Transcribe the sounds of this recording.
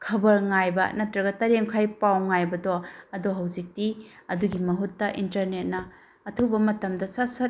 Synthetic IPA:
kʰɐbɐɾŋajbɐ̰nɐtːɾɐɡɐtɐɾemkʰajpawŋajbɐdoɐdoɦawzik̚tiɐduɡimɐɦutːɐʔintɐɾnet̚nɐː | tʰubɐmɐtɐmdɐsasɐt

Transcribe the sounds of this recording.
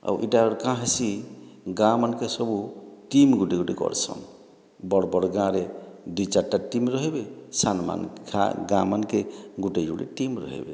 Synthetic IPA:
a̰wʔḭʈaɾkãɦasiɡãmankesɔbuʈimɡuʈeɡuʈekɔ̰ɾt͡ʃʰɔ̰n | bɔɽbɔɽɡãɾeɖit͡ʃaʈːaʈimɾɔɦebesanma̰nkʰa̰ɡãmankeɡuʈed͡ʒuɽḛʈimɾɔ̰ɦḛbe

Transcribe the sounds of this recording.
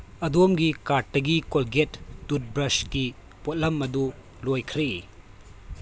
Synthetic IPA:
ɐdomɡikatːɐɡikolɡetːut̚bɾɐski | pot̚lɐmːɐdu | lojkʰɾe

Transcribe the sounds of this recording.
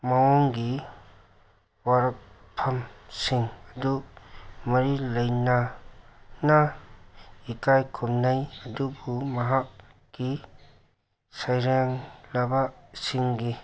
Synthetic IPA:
maɔŋɡi | waɾɐk̚ | pʰːɐmsiŋɐdu | mɐɾilɐjnɐ | nɐ | ikajkʰumnajɐdubumɐɦakː | i | sajɾeŋlɐbasiŋɡi

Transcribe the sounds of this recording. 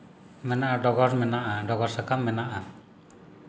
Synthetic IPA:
mɛnaʔadɔɡɔrmɛnaʔadɔɡɔrsakamːɛnaʔa

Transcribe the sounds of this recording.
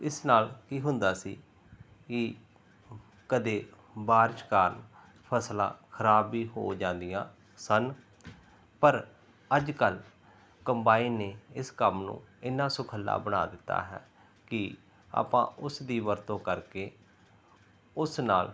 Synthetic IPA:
ɪsnaːlkiːɦʊnd̪aːsiː | kɪ | kəd̪eː | baːɾʃkaːɾn | pʰəslã̰ːkʰəɾaːbiːɦo̰ːd͡ʒãːnd̪ijãː | sən | pəɾ | əd͡ʒkəl | kəmbaːiːneːɪskəmnṵ̃ːɪnːãːsʊkʰəlːa̰ːbəɽa̰ːd̪ɪt̪ːa̰ːɦɛ̰ː | kɪ | a̰ːpã̰ːʔʊsd̪iːʋəɾt̪õːkəɾkeː | ʊsnaːl

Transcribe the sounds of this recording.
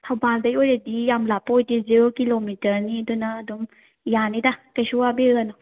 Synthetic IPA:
tʰawbaldɐjojɾedijamlapːojdizeɾokilomitɐɾniɐdunɐːdum | janidakajsuwabeɾanɔ

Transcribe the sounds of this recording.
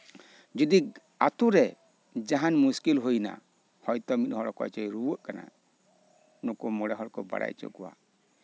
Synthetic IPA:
d͡ʒud̪ik | at̪uɾɛ | d͡ʒaɦanmuskilɦojna̰ | hɔjt̪ɔmit̪ˀhɔɽɔkɔ̰jt͡ʃɔjɾubuʔkana̰ | nɔkɔmɔɽɛɦɔɾkɔba̰ɽa̰jt͡ʃɔ̰ʔkɔwa̰

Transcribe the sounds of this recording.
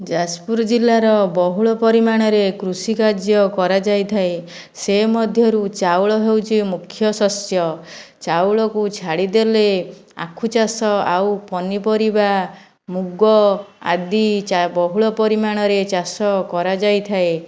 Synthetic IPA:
d͡ʒaspuɾɔd͡ʒilːaɾɔbɔɦuɭɔpɔɾimaɽ̃ɔɾekɾusikaɾd͡ʒjɔkɔɾad͡ʒajt̪ʰae | semɔd̪ʱjɔɾut͡ʃawɭɔɦewt͡ʃʰimukʰjɔsɔsjɔt͡ʃawɭɔkut͡ʃʰaɽid̪elea̰kʰut͡ʃasɔawpɔnipɔɾiba | muɡɔa̰d̪ibɔɦuɭɔpɔɾimaɽ̃ɔɾet͡ʃasɔkɔɾad͡ʒajt̪ʰae

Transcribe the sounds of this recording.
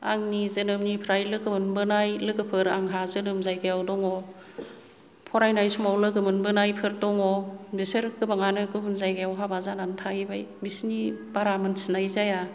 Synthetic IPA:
a̰ŋnizɯnɯmnipʰɾajlɯɡɯmɯnbɯnajlɯɡɯpʰɯɾaŋɦazɯnɯmzajɡajawdɔŋɔ | pʰɔɾajnajsumawlɯɡɯmɯnbɯnajpʰɯɾdɔŋɔbisɯɾɡɯbaŋanɯɡɯmɯnzajɡajawɦabazanantʰaibajbisnib̥aɾamɯnsinajzaja

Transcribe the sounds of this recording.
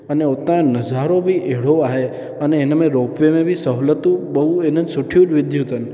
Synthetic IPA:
əneot̪ãnəd͡ʒaɾobʱiʔeɭoaɦe | əneːnemẽɾopʋemẽbʱisəɦlət̪ũbəɦuenəsʊʈʰijũd͡ʒʋɪd̪ʱjũt̪ən

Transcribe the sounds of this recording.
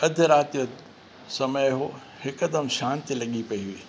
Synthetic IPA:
ɐd̪ʱɪɾaːt̪ijo | sɐməjɦo | hɪkɐd̪ɐmʃãːnt̪ilɐɠipɐiʋi

